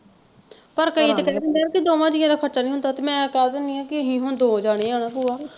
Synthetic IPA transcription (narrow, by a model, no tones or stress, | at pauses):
pəɾkəiːt̪ekɛdend̪eɾkɪd̪oːmãːd͡ʒieːɾakʰəʈt͡ʃaːnĩːɦʊnd̪aːt̪eːmɛ̃ːkaːd̪eniːãːkɪəɦĩːɦʊɳd̪oːd͡ʒaːɽ̃eːaːɽaːpuːaː